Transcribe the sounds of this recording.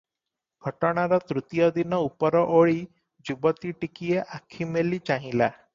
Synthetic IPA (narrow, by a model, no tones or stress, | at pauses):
ɡʱɔʈɔɽ̃aɾɔt̪ɾut̪ijɔd̪inɔupɔɾɔʔoɭi | d͡ʒubɔt̪iʈikieʔakʰimelit͡ʃaɦĩla